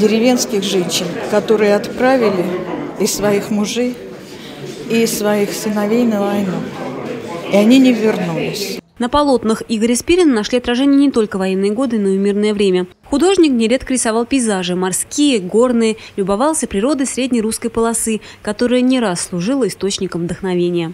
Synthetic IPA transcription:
dʲɪɾʲɪvʲe̞nskʲɪxʐɛnʲɕːɪnkɐt̪o̞ɾɨjəɐt̪pɾavʲɪlʲɪɪsːvɐixmʊʐɨj | isːvɐixsʲɨnɐvʲejnəɐjna | ɪɐnʲinʲɪvʲɪrnulʲɪsʲnəpɐlˠo̞t̪nəxiɡəɾʲɪspʲiɾʲɪnənɐʂlʲiɐt̪ɾɐʐɛnʲɪjənʲɪt̪o̞lʲkəvɐjenːɨjəɡo̞d̪ɨnomʲirnəjəvɾʲemʲə | xʊd̪o̞ʐnʲɪknʲɪɾʲe̞t̪kəɾʲɪsavɑlˠpʲɪjzaʐɨmarskʲijəɡo̞rnɨjəlʲʊbɐvɑlˠsʲəpɾʲɪɾo̞d̪ɨsɾʲedʲnʲɪjɾuskəjpəlˠɐsɨ | kɐt̪o̞ɾɨjənʲɪɾasːlˠʊʐɨlˠəɪst̪o̞t͡ɕnʲɪkəmvd̪əxnɐvʲenʲɪjə

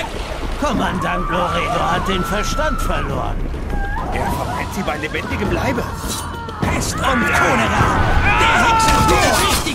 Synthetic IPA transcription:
kʰɔmandantloːʁiaohat̚d̥eːnfɛɐʃtantfɛɐlo̰ːʁə̰n | ʔeːɐfɛɐmaɪntz̥iːbaɪlebɛndɪɡəmlaɪbə | pʰɛstʊntkʰoːnəlad̥eːɐɦat̚subiːɪ

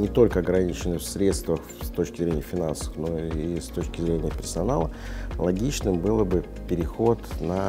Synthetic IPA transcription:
nʲɪt̪o̞lʲkəɐɡɾɐnʲit͡ɕɪnɨfsɾʲe̞t̪st̪vəx | st̪o̞t͡ɕkʲɪzɾʲenʲɪjəfʲɪnansə̥fno̞ist̪o̞t͡ɕkʲɪzɾʲenʲɪjəpʲɪrsɐnalˠəlˠɐɡʲit͡ɕnɨmbɨlˠbɨ | pʲɪɾʲɪxo̞t̪nɐ

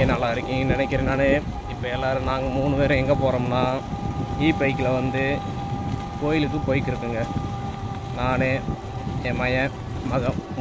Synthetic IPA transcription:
enɐlːaːɪɾɯkːɯŋɡɐnɪnɛkʲːɪɾeːnaːne | ɪpːɐɛlːaːɾɯnaːŋɡɐmuːnɯpeːɾɐ̃ɛŋɡɐpoːɾoːmnaː | iːpɐɪkːɪlɐʋɐnd̪ɯ | koːjɪlɯkːɯpoːjɪkːɪɾɯkːɯŋɡɐ | naːneː | ɛmɐjɐ | mɐɣɐ

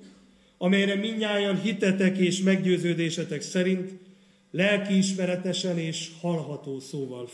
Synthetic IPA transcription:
ɒmɛjɾɛmiɲːaːjɒnɦit̪ɛt̪ɛkeːʃmɛɡɟøːzøːd̪eːʃɛt̪ɛksɛɾint̪ | lɛlkiːʃmɛɾɛt̪ɛʃɛneːʃhɒlɦɒt̪oːsoːvɒl

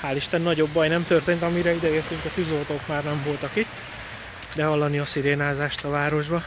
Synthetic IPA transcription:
haːliʃt̪ɛnːɒɟo̞bːɒjnɛmt̪ørt̪eːnt̪ɒmiɾɛid̪ɛeːrt̪yŋkɒfyzolt̪oːkmaːrnɛɱvo̞lt̪ɒkit̪ː | bɛɦɒlːɒniɒsiɾeːnaːzaːʃt̪ɒvaːɾo̞ʒbɒ

